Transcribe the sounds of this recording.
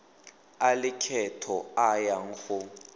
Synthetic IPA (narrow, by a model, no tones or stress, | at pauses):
alɪkʰɛtʰɔajaŋ̩xu